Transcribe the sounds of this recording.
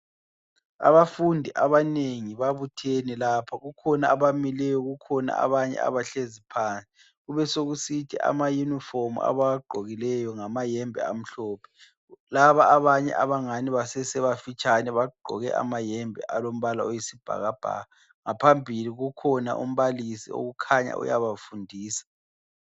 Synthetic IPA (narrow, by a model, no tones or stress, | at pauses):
a̰βafundʱiʔaβaneŋiβaβutʰenilapʰaɣukʰɔnaːβamilɛjɔɣukʰɔna̰a̰βaɲɛ̰a̰βaɬezipʰant͡sʼi̥ | ɣuβɛsoɣusitʰiʔa̰majunifomṵa̰βaɡ͡ǃʱoɣilɛjɔŋamajɛmbʱɛ̰a̰m̩ɬɔːpʰɛ̥ | laβaːβaɲɛ̰ʔaβaŋaniβasɛsɛβafit͡ʃʼanɛβaɡ͡ǃʱɔ̰ɣɛʔa̰majɛmbʱɛ̰ʔalom̩βalaojisib̥ʱa̰ɣab̥ʱa̰ːɣa | ŋapʰambʱiliɣukʰɔna̰ʔṵm̩βalisḭo̰ɣukʰaɲa̰ʔṵjaβafundʱiːsḁ